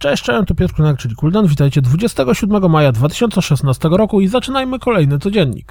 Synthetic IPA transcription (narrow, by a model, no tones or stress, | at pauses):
t͡ʂɛɕt͡ʂɛjɛ̃nt̪upʲɛkunakt͡ʂɘlkuld̪ɛnvʲit̪ajt͡ɕɛd̪vud͡ʑɛst̪ɛɡɔɕud̪̚mɛɡɔmajad̪vat̪ɘ̥ɕɔnt̪sɛʂɛsnast̪ɛɡɔɾɔkuizat͡ʂɘnajmɘkɔlɛjnɘt̪sɔd͡ʑɛɲːḭk